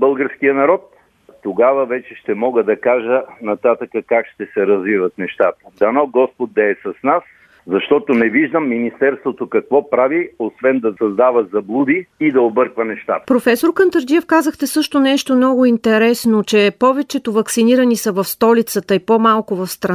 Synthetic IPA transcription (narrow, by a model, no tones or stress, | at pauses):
bɤlˠɡəɾskijənɐɾɔt̪ː | oɡavəvɛt͡ʃɛʃt̪ɛmɔɡəd̪ɐkaʒənɐt̪at̪əkəkakʃt̪ɛsɛɾɐzvivɐt̪̚nɛʃt̪at̪əd̪ɐnɔɡɔspot̪̚d̪ɐɛsɐsnas | zɐʃt̪ɔt̪onɛviʒd̪əmːinist̪ɛɾst̪vot̪okɐkvɔpɾaviosvɛnd̪ɐsɐzd̪avəzɐblˠud̪iːd̪ɐobɤɾkvənɛʃt̪a̰t̪əpɾofɛsoɾkənt̪əɾd̪iɛfkazəxt̪ɛsɤʃt̪onɛʃt̪omnɔɡʊint̪ɛɾɛsnot͡ʃɛpɔvɛt͡ʃɛt̪ʊvɐksiniɾənisəvɐfst̪ɔlit̪sət̪əipomalˠkʊvɐfst̪ɾɐ